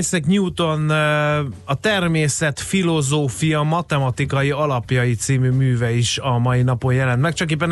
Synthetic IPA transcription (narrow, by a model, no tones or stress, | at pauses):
sɛkɲuːt̪o̞n | ɒt̪ɛrmeːsɛt̪filo̞zoːfijɒmɒt̪ɛmɒt̪ikɒjiɒlɒpjɒjit̪siːmymyːvɛiʃɒmɒjinɒpo̞njɛlɛnt̪mɛk̚t͡ʃɒk̬eːp̬ːɛn